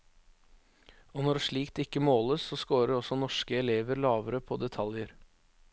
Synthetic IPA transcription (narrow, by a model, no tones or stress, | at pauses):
oːnɔɖʂɭiːkt̪ɪkːəmoːləsːoːskoːɾəɾɔsɔnɔʂkəɛleːʋəɾlɑːʋəɾəpʰo̰ːd̪ɛt̪ʰɑljəɾ